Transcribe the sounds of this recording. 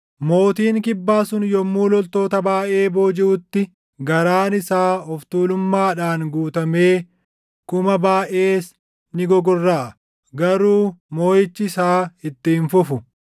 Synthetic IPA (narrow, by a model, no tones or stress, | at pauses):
mo̞ːt̪iːŋkɪbːaːsʊnjɔmːuːlɔlt̪o̞ːt̪ɐbaːʔe̞ːbo̞ːd͡ʒɪʔʊt̪ːɪ | ɡɐɾaːnɪsaːɔft̪uːlʊmːaːᶑaːŋɡuːt̪ɐme̞ː | kʊmɐbaːʔe̞ːs | nɪɡɔɡɔrːaːɐ | ɡɐɾuːmoːjɪt͡ʃːɪsaːɪt̪ːiːnfʊfʊ